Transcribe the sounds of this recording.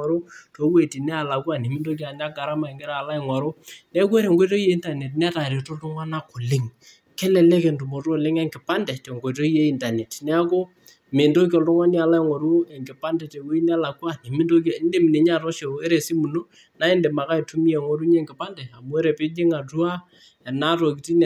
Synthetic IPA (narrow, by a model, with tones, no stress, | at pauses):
a˨ɾo˦to˦kwe˦˨ti˨nɛ˦a˨la˨kwa˦˨ne˨mɪ˦ndo˦k̬i˨a˨ɲa˦ɡa˨ɾa˦ma˨ɛ˨ŋɡɪ˦ɾa˦a˨la˦ɪ˨ŋwa˨ɾo˦nɛ˦ke˦ɾe˨ŋɡo˦to˦i˦e˦i˦nta˨ne˨tn˦a˦ta˨ɾe˨to˦ltʊ˦ŋwa˦na˦ko˨lɪ˦ŋ | kɛ˦lɛ˨lɛ˦ke˨ndu˨mo˨tːlɪ˦ŋɛ˦ŋɡɪ˨pa˦ndɛ˨te˨ŋɡo˨t̬o˦i˦e˦i˦nda˨nɛ˨tnɛ˦a˦ko˦ | mɪ˨ndo˦k̬ɔ˨ltʊ˦ŋwa˦nja˨la˦i˨ŋwa˨ɾu˦ɛ˨ŋɡɪ˨pa˦ndɛ˨te˨ko˦i˦n˦a˦la˨ku˦a˦ne˨mɪ˦ndo˦k̬a˨˦nde˦mi˨ne˨ɲa˦˨tɔ˦ʃe˨e˦ɾe˨si˦mu˨no˦ | na˦ɪ˦nde˨ma˨ka˦i˨tu˦mi˦ɛ˨ŋɔ˦ɾu˦ɲɛ˦ŋɡɪ˨pa˦ndɛ˨a˨mu˦ɛ˦ɾɛ˨pɪ˦ɲɪ˦ŋa˨tu˦a˦ | ɛ˨na˦to˨ki˨ti˦n